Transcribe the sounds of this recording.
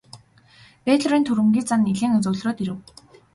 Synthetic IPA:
peːt̪ɮ̆ɾiːnt̪ʰuɾɘ̆mɡʲiːt͡saniɮeːŋɵt͡sɵ̆wɮroːt̪iɾɘ̆w

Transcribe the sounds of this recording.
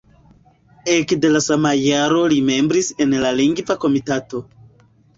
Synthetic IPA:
e̞kde̞lasamajaɾo̞lime̞mbɾise̞nlaliŋɡvako̞mitato̞

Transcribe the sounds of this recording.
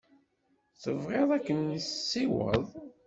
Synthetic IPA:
θəvʁeðˤækːənːisːiwə̰ðˤ

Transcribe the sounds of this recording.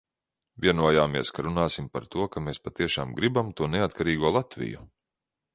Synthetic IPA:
vʲiɛnuɔjaːmiɛskaɾunaːsimpaɾt̪uɔkameːspat̪iɛʃaːmɡɾibamt̪uɔneat̪kaɾiːɡuɔlˠat̪vʲḭjṵ

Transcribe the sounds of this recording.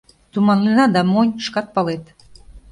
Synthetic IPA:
t̪umɑnlenɑd̪ɑmonʲʃkɑt̪̚pɑlet̪

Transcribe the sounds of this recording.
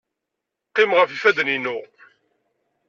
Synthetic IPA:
qːɪmʁəfifæd̪ninu

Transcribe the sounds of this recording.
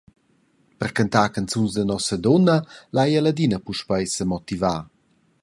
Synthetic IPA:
pərkant̪akant͡sunzd̪ənɔsəd̪ɔnːəlajəlad̪inəpuʃpajsəmɔt̪ivaː

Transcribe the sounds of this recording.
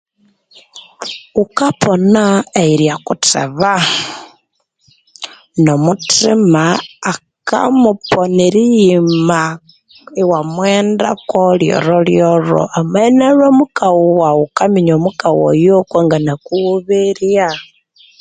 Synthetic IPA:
ukapʰonaeiɾjakutḛβa | nomutimaːka̰muponiɾijima | iwamwenda̰koljo̰ɾoljoɾo̰ʔamenaromukawuwaukamiɲomukawo̰jokwaŋɡanakuuβiɾa

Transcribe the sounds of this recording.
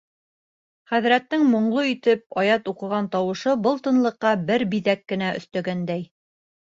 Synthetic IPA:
χæðɾæt̪ːɘŋmŏɴlˠoit̪ɘp̚ɑjɑt̪uqɤ̆ʁɑnt̪ɑwɤ̆ʃɤbɤlˠt̪ɤ̆nlˠɤ̆qːɑbɘɾbiðækːɘ̆næʔɵ̰̆θt̪æɡænd̪æj

